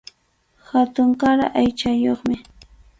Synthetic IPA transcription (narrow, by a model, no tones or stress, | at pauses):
hat̪ʊŋkaɾa̰ʔajt͡ʃajoχmɪ